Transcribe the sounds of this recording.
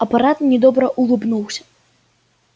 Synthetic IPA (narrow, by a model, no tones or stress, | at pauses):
ɐpaɾat̪nʲɛd̪ɔbɾɐʔulˠɨbnuwsʲɐ̥